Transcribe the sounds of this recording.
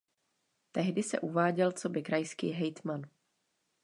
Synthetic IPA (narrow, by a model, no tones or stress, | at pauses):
t̪ɛɦdɪsɛ̰ʔuvaːɟɛlt͡sobɪkɾajskḭːɦɛjt̪man